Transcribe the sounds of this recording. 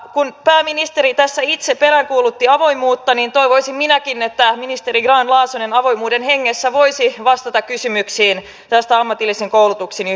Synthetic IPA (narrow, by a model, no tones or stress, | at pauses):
kunpæːminist̪e̞ɾit̪æsːæit̪seppeɾæŋkuːlut̪ːiɑʋo̞imuːt̪ːɑnint̪o̞iʋoisimminækinet̪ːæminist̪e̞ɾiɡrɑːnlɑːsonenɑʋo̞jmuːdenheŋːesːæʋo̞ijsiʋɑst̪ɑt̪ɑkkysymyksiːn | t̪æst̪æɑmːɑt̪ilːisiŋkowlut̪uksin